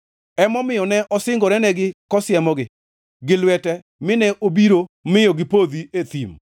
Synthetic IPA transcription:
ɛmɔmɪjɔnɛʔɔsɪŋɡɔɾɛnɛɡɪkɔsjɛmɔɡɪ | ɡɪlwɛtɛ | mɪnɛʔobiɾomɪjɔɡɪpod̪iet̪im

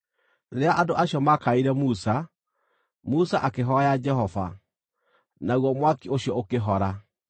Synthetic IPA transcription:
ɾeaʔadoʔaɕjɔmakaiɾɛmusa | musaʔakeɦɔjad͡ʒɛɦɔva̰ | naɣwɔmwakioɕjɔokeɦɔɾa

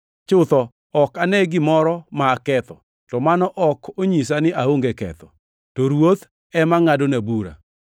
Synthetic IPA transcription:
t͡ʃʊt̪ɔ | ɔkanɛɡɪmɔɾɔmaːkɛt̪ɔ | tɔmanɔʔɔkʰoɲis̬anɪʔaoŋɡekɛ̰t̪ɔ̰ | tɔɾwot̪ | ɛmaŋadonabuɾa̰

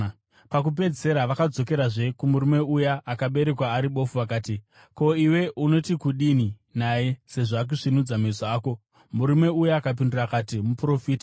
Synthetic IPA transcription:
pak̬up̬e̞d͡zise̞ɾaʋakad͡zo̞ke̞ɾaʐe̞kumuɾume̞ujaʔakaɓe̞ɾe̞kwaːɾiɓo̞fuʋak̬aːti | ko̞iwe̞ʔuno̞tikuɗini | naje̞se̞ʐaːk̬uʐinud͡zamezoaːko̞ | muɾume̞ujaakap̬indurakaːtimupro̞fiːta

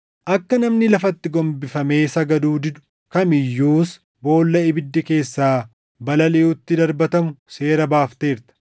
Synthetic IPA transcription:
ʔɐkːɐnɐmnɪlɐfɐt̪ːɪɡɔmbɪfɐme̞ːsɐɡɐd̪uːd̪ɪd̪ʊ̥ | kɐmɪjːuːs | bo̞ːlːɐɪbɪd̪ːɪke̞ːsːaː | bɐlɐleːʊt̪ːɪd̪ɐɾbɐt̪ɐmʊse̞ːɾɐbaːft̪e̞ːɾt̪ɐ̥

